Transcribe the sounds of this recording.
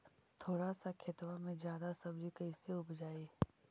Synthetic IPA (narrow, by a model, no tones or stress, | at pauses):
t̪ʰoːɽasakʰɪt̪ʋamẽd͡ʒjaːd̪asɐbd͡ʒikɐiseʊbd͡ʒaːeː